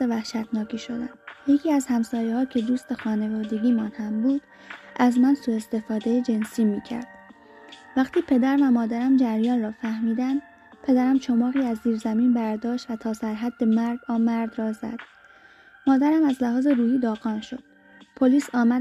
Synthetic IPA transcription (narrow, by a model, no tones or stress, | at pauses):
sevæhʃæt̪ʰnɒːkʰiːʃo̞d̪æ̰njecʰiːæzhæmsɒːjehɒːcʰe̞d̪uːst̪e̞xɒːne̞vɒːd̪e̞ɟʲiːmænhæmbuːd̪̥ | ʔæzmænsuːe̞st̪e̞fɒːd̪e̞jed͡ʒe̞nsiːmiːcʰæ̰ɾd̪̥ | væχt̪ʰiːpʰe̞d̪æɾvæmɒːd̪æɾæmd͡ʒæɾjɒːnrɒːfæhmiːd̪ænd̪ | pʰe̞d̪æɾæmt͡ʃʰo̞mɒːɣiːæzːiːɾzæmiːnbæɾd̪ɒːʃt̪væt̪ʰɒːsæɾɦæd̪ːe̞mæɾɡɒːmæɾd̪rɒːzæ̰d̪̥ | mɒːd̪æɾæmæzlæhɒːze̞ɾuːhiːd̪ɒːɣɒːnʃo̞d̪̥̚ | pʰo̞liːsɒːmæ